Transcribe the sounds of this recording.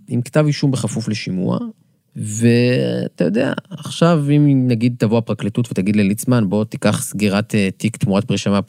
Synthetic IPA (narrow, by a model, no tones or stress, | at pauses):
imktaviʃumbeχafufleʃimṵa̰ | ve̞a̰t̪ajodea̰ːχʃavimnaɡid̪̚t̪avoapʁaklitutvet̪aɡid̪lelit͡smanbo̞t̪ikaχsɡiʁatetikt̪muat̚pʁiʃama